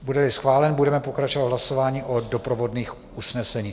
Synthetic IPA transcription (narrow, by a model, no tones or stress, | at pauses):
budɛlɪsxvaːlɛnbudɛmɛpo̞kɾat͡ʃovadɦlaso̞vaːɲiːʔodopɾovo̞dniːx | ʔusnɛsɛɲiː